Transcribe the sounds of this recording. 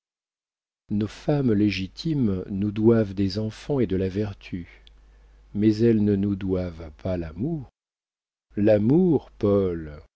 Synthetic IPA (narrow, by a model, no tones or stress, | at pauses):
nofamleʒit̪ʰimnud̪wavd̪ezɑ̃fɑ̃ed̪əlavɛʁt̪ʰy | mɛzɛlnənud̪wavpalamuʁ | lamuʁpɔl